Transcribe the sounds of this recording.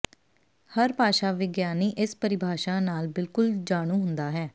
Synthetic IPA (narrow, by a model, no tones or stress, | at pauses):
həɾpaːʃaːʋɪɡjaːniːʔɪspəɾɪbʱaːʃaːnaːlbɪlkʊld͡ʒaːɽ̃ũːɦʊ̃nd̪aːɦɛː